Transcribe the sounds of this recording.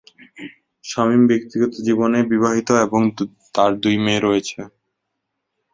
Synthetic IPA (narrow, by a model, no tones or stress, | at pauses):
ʃɔmimbek̚t̪iɡɔt̪od͡ʑibonebiβaɦit̪oeboŋ | t̪aɾd̪ujmeɾɔet͡ɕʰe